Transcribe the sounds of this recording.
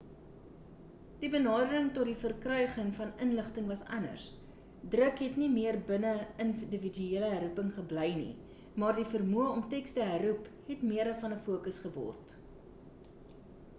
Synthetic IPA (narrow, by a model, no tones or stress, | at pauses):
d̥ibənɑːdəɾəŋtɔt̚difərkrœɥχəŋfɐnənləχtəŋvɐsɐnə̰rs | drəkɦɛtnimiərbənəəndəvidyeələɦæɾupəŋχəbləjnḭ | mɑːrdifərmuəɔmtɛkstəɦæruphɛtmiəɾəfɐnəfuəkəsχəvɔ̰rt